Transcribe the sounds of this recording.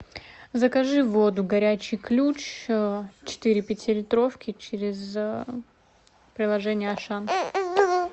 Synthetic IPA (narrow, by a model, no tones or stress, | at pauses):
zəkɐʐɨvo̞d̪ʊɡɐɾʲæt͡ɕɪjklʲut͡ɕ | t͡ɕɪ̥t̪ɨɾʲɪpʲɪtʲɪɾʲɪt̪ɾo̞fkʲɪt͡ɕɪɾʲɪz | pɾʲɪlˠɐʐɛnʲɪjəɐʂan